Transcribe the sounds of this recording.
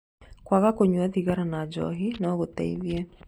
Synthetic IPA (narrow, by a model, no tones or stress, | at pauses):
kwaɣakoɲwɛðiɣaɾanad͡ʒɔ̰ɦinɔɣot̪ɛ̰ḭðjɛ